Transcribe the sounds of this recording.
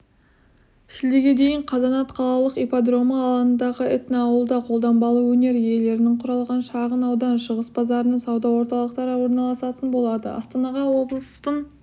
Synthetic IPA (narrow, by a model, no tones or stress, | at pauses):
ɪʃɪld̪eɡʲe̞d̪e̞jɪɴqʰɑzɑnɑt̪qʰɑlˠɑlˠəqepad̪ro̞mɑːlˠɑənd̪ɑʁəɪt̪neɑwəlˠd̪ɑqʰo̞lˠd̪ɑmbɑlˠəwɵne̞ɾje̞le̞ɾɪnɪŋqʰʊɾɑlˠʁɑnʃɑʁənɑwd̪ɑnʃʊʁəsbɑzɑɾənəsɑwd̪ɑwo̞ɾt̪ɑlˠəq̚t̪ɑɾəwo̞ɾnɑlˠɑsɑt̪ənbo̞lˠɑd̪ə̰ɑ̰st̪ɑnɑʁɑwo̞blˠəst̪əɴ